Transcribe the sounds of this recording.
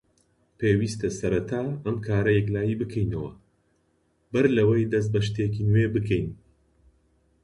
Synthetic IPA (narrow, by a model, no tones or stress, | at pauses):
pʰeːwiːst̪ɐsɐɾɐt̪ʰaːɐmkʰaːɾɐjɛk̬laːjiːbɨkʰɐjnɐwɐ | bɐɾlɐwɐjd̪ɐs̬t̪̚bɐʃt̪ekinwebɨkʰɛjn